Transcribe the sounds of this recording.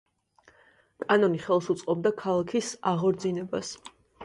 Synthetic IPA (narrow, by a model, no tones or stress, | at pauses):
kʼanɔniχɛlˠsut̪sʼqʼɔb̚d̪akʰalˠakʰisaʁɔɾd̪zinɛbas